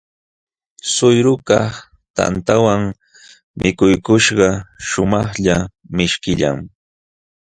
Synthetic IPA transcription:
sʊjɾʊkɑ | t̪a̰nt̪awaŋ | mʔɪkʊjkʊʃɢɑʃʊmɑχʎa | mɪʃkɪʎa̰ŋ

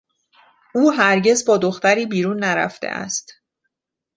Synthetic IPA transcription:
uːɦæɾɟe̞zbɒːd̪o̞xt̪æɾiːbiːɾuːnːæɾæ̰ft̪ḛʔæ̰st̪

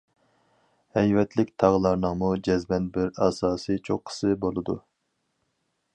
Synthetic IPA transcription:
hɛjvɛt̪ʰlɪkʲt̪ʰɑʁəlˠɑɾnɨŋmud͡ʒɛzmɛnbɪɾɑːsɑːsɨt͡ʃʰo̰qʰːə̥sɨbolˠɨd̪ṵ

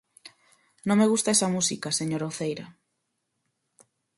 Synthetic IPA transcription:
nõŋmeɣust̪ɐesɐmusikaseɲoɾoθejɾɐ

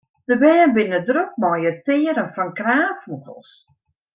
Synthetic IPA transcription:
dəbɛːənbɪnədrok̚mɔjətɪːəɾənfɔnkraːfukəlˠs

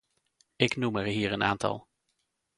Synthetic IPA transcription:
ɪknuməɹɦiːɹəna̰ːntɑ̰lˠ

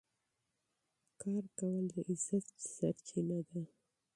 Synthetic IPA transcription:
kɑɾkawəld̪əʔɪzat̪sa̰ɾt͡ʃinad̪a

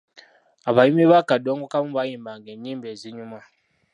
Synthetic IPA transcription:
aβajimiβakadoŋɡokamuβajimbaŋɡeɲiːmbeziɲuma

